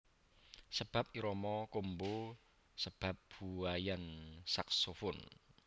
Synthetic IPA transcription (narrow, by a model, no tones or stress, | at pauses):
səb̥a̤p̚iɾɔmɔkombo | səb̥a̤p̚b̥uajansaksofʊn